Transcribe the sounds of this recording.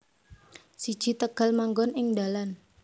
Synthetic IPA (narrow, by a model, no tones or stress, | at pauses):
sid̥ʒ̥it̪əɡ̥a̤lmaŋɡɔnɪŋdalan